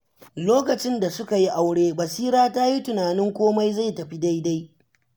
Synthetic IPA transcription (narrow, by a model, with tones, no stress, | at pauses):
loː˦kɐ˨t͡ʃɪ˦nda˨sʊ˦ka˨ji˦ʔa˨wɽeː˦bɐ˨siː˦ɾaː˦ta˦ji˦tʊ˨naː˨nɪ˦ŋkʷoː˦ma˦jza˦˨jtɐ˨ɸi˦da˦jda˦j